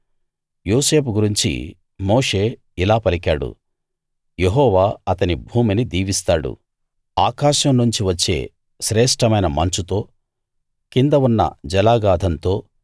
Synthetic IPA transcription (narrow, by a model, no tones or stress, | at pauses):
joːse̞ːpuɡuɾiɲt͡ʃḭ | mo̞ːʂe̞ː | ilaːpɐlikaːɽṵ | jeɦɔːʋaːɐt̪ɐnibʱuːminid̪iːʋist̪aːɽṵ | aːkaːʃɐmnuɲt͡ʃiʋɐt͡ʃːe̞̰ː | ʃɾɛːʂʈɐmɐjnɐmɐnt͡ʃut̪o̞ː | kind̪ɐʋunːɐ̰d͡ʒɛlaːɡaːd̪ʱɐnt̪o̞ː